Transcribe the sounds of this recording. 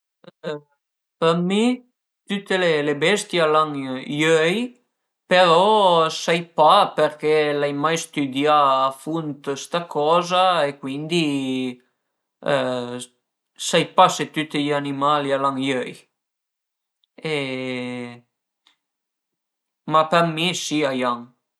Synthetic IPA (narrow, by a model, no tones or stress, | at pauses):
peɾmi | t̪ut̪ːelelebɛst̪jealaŋjøj | peɾɔsajpaperk̟ɛlajmajst̪yd̪jaːfunt̪st̪akɔːzaekwind̪i | sajpaset̪ut̪ːiʎanimaːlialaŋjøj | e | mapermesiajaŋ